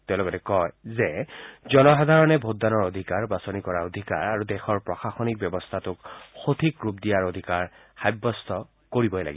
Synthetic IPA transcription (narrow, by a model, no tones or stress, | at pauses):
t̪ɛʊ̃lɔɡɔtɛkɔjzezɔnɔxad̪ʱaɹɔnɛbʱodanɔɹod̪ʱikaɹbasonikɔɹaod̪ʱika̰ɹaɹudɛxɔɹpɹɔxaxɔnik̚bjɔbɔst̪ʰatʊkxot̪ʰikɹupdijaɹod̪ʱikaɹxajbːɔst̪ʰɔ | koɹibɔjla̰ɡiɔ